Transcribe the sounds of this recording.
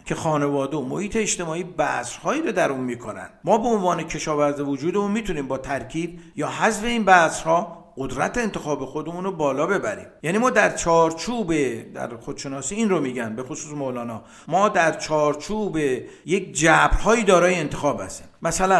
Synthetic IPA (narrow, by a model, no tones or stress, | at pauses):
kʲʰe̞xɒːne̞vɒːd̪eomohiːt̪ʰe̞eːʃt̪e̞mɒːiːbæ̰sɾhɒːiːɾod̪æɾunmiːkʰonæ̰nd̪̥mɒːbe̞onvɒːne̞kʰe̞ʃɒːvæɾzivod͡ʒuːd̪emunmiːt̪ʰuniːmbɒːt̪ʰæɾkʰiːbjɒːɦæzfe̞inbæːsɾhɒː | ɢod̪ɾæ̰t̪ʰeent̪ʰe̞xɒːbe̞xo̞d̪e̞munɾobɒːlɒːbe̞bæɾḭːmjæːniːmɒːd̪æɾt͡ʃʰɒːɾt͡ʃʰuːbed̪æ̰ɾxo̞d̪̥ʃe̞nɒːsiːiːnromiːɟæn̚be̞xosuːsmolɒːnɒː | mɒːd̪æɾt͡ʃʰɒːɾt͡ʃʰuːbe̞ | je̞kd͡ʒæbɾhɒːiːd̪ɒːɾɒːjeːnt̪ʰexɒːbhæ̰st̪i̥̰ːmmæsælæn